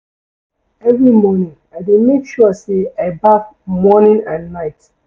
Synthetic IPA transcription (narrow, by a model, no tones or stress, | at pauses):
ɛvɹimɔnĩŋaɪdemekʃɔɔseaɪbakmɔnĩŋãnːaɪt